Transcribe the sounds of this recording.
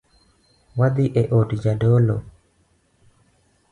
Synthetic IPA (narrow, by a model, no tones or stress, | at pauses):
wad̪iʔeʔodd͡ʒadolo